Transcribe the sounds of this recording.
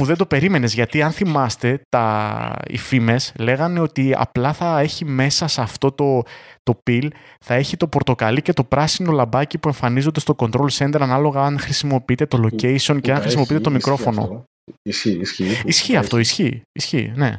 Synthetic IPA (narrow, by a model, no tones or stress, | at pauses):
puðe̞nd̪o̞pe̞ɾime̞ne̞zʝɐt̪iɐnθimɐst̪e̞t̪ɐḭfime̞sle̞ɣɐne̞o̞t̪iɐ̰plɐθɐe̞çime̞sɐsɐft̪o̞t̪o̞t̪o̞pil | θɐe̞çit̪o̞po̞ɾt̪o̞kɐlice̞t̪o̞pɾɐsino̞lɐbɐcipue̞ɱfɐnizo̞nd̪e̞st̪oko̞nd̪ɾo̞lose̞nd̪eɾɐnɐlo̞ɣɐɐnxɾisimo̞piit̪e̞t̪o̞lo̞ce̞jsionceɐnxɾisimop̬iit̪et̪omikɾo̞fo̞no̞̰ | isçiɐft̪o̞isçiisçḭne̞̰